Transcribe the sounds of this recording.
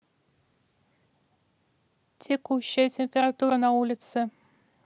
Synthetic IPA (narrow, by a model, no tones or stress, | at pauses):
tʲʰekuɕːajtʲemʲpʲeɾat̪uɾənaulʲɪt̪sɘ